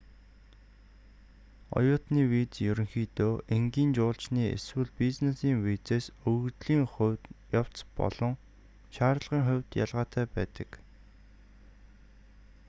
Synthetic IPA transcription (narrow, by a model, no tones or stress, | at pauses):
ɔ̰jʊːt̪niːwiːt͡sjɵɾʲɵ̆ŋxiːt̪oːʔeŋɡiːnt͡ɕʊːɬt͡ɕniːḛswɘ̆ɮpit͡snesiːŋwit͡seːsɵɣt̪ɮiːŋχʊjaw̥t͡spɔ̰ɮ̥ɞ̆ŋ | ʃaːɾɮʁiːŋχʊwʲt̪ja̰ɮʁaːt̪ʰæːpæːt̪ə̥̆k